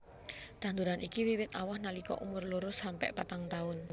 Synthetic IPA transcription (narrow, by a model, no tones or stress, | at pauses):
d̪̥and̪uɾanʔikiwiwɪt̪awahnalikɔ̰ʔumʊrluɾʊsampɛ̰ʔpat̪aŋt̪aʊn